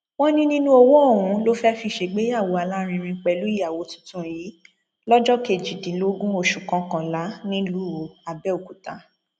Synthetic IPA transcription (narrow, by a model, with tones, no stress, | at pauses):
w̃ɔ̃˦nĩ˦nĩ˦nũ˦o˧wo˦o˦˨w̃ũ˨˧lo˦fɛ˦fi˧˨ʃe˨˦ɡ͡be˨˦a˦˨wo˨˦a˧˨la˦ɾ̃ĩ˧ɾ̃ĩ˧k͡pɛ˧˨lu˨˦i˦ja˨wo˨˦tũ̥˦tũ˦ji˨˦ | lɔ˦d͡ʒɔ˦ke˧˨d͡ʒi˨dĩ˨˦lo˨˦ɡũ˦o˦˨ʃu˨kã˧kã˨la˨˦nĩ˦lu˦o˨a˨bɛ˦o˨ku˨ta˧˦